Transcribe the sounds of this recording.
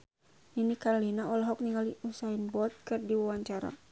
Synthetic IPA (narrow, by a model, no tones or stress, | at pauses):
ninikaɾɔlinaɔlaɦɔk̚niŋɡaliusainbɔt̪̚kɨrdiwawaɲt͡ʃaɾa̰